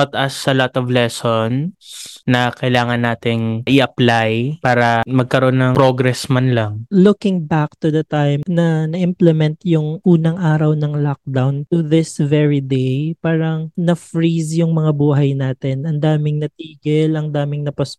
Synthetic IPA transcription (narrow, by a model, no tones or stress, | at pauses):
at̪ɐsɐlot̪ɔvlɛsonsːɐkɐjlaːŋɐnːaːt̪ɪŋʔɪʔɐplajpaːɾɐmɐɡ̚kɐɾo̞nːɐŋpɾoɡɾɛsmɐnlɐŋlʊkɪŋbak̚t̪ud̪ɐt̪ajmnɐnɐʔɪmplɛmɛnt̪jʊŋʔuːnɐŋʔaːɾɐwnɐŋlok̚d̪awnt̪uðɪsvɛɹid̪ejpaːɾɐŋnɐfɹisjʊŋmɐŋabuːɦɐjnaːt̪ɪnɐnd̪aːmɪŋnɐt̪iːɡɪlɐŋd̪aːmɪŋnɐpɐs